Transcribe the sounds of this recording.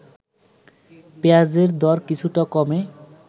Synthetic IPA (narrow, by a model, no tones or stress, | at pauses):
pead͡ʑeɾd̪ɔɾkit͡ɕʰuʈakɔme